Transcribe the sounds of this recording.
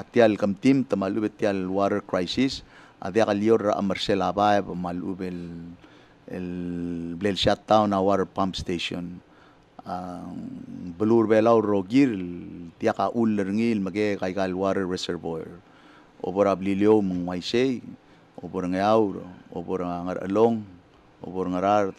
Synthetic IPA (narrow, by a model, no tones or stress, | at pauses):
atjalkəmtimtamalʔubetːialwaɾəɾkɾajsis | a̰djakaljoɾːa̰ʔa̰maɾselabajebamalʔṵbel | lblelsjatːawnawaɾəpampsteso̰n | a | bəluɾbelawɾːoɡiɾdjakaʔulːəɾŋilməɡekajɡalwaɾəːeseɾvoɾ | o̰boɾabliljowməŋwajsej | oboɾaŋajawɾ̰o̰boɾaaŋaɾʔə̰loŋ | o̰boɾŋaɾaɾ